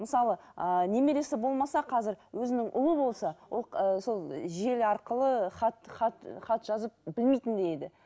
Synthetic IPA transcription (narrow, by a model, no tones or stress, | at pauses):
məsɑlˠəəne̞meɾe̞sɪbo̞lˠmɑsɑqʰɑzɪɾwɵzɪnɪŋʔʊ̰lˠəbo̞lˠsɑwolˠəso̞lˠʒe̞lɑɾqəlˠəχɑt̪χɑt̪χɑt̪ʒ̥ɑzəp̚bɪlmejt̪ɪnd̪ejed̪ɪ